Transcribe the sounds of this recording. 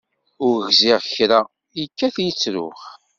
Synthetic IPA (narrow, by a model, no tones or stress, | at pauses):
ʊɾʝzɪʁçɾa | jəkːæθjət͡sːɾʊ̰χ